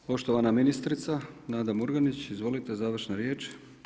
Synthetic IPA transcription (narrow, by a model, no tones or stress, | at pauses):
po̞ʃt̪o̞ʋanaminist̪ɾit̪sanaːd̪amuɾɡanit͡ɕizʋo̞lit̪e̞zaːʋr̩ʃnaɾjeːt͡ʃ